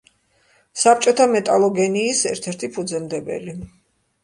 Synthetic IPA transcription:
sap̚ʰt͡ʃʼɔt̪ʰamɛt̪ʼalˠɔɡɛniːsɛɾt̪ʰɛɾt̪ʰipʰud̪zɛmd̪ɛbɛ̰li

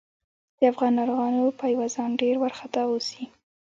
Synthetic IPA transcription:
d̪̥əafɣɑnaɾɣɑnopajwɑzɑnɖeɾwaɾxat̪ausi

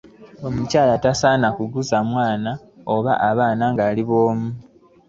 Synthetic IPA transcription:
o̞mucaːlatasaːnakuɡuzamwaːna | o̞βa̰ʔaβaːnaŋɡaːliβo̞ːmu

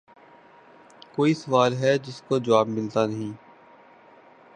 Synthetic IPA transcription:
koːisɐʋaːlɦɛd͡ʒɪskod͡ʒəʋaːbmɪlt̪anɐɦĩː

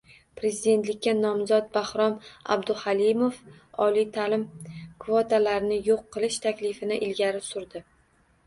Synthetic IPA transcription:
pɾe̞zid̪e̞nt̪lɪkʲːanɒmzɒt̪̚bahɾɒma̰bd̪ʊhalimofɒlijt̪ʰalɪmkʰvot̪alaɾɪnɪjoqʰːɨlˠɪʃt̪ʰakʲlɪfɪnɪʔɪlɡʲaɾɪsʊɾd̪ɪ

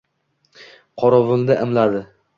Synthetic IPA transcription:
qʰɒɾɒvʊnd̪aʔɪmlad̪ɪ

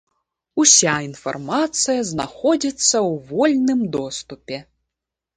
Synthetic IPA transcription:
usʲainfa̰rmat̪sɨjɐzna̰xɔd͡zʲit̪sːɐwvɔlʲnɨmd̪ɔst̪upʲɛ

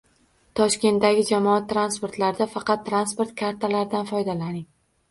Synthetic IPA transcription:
t̪ʰɒʃkʲe̞nt̪d̪aɡʲɪd͡ʒamɒat̪ːɾanspo̞ɾt̪laɾd̪afɑqɑt̪ːɾanspo̞ɾt̪̚kʰaɾt̪ʰalaɾɪd̪anfɒjd̪alanɪŋ

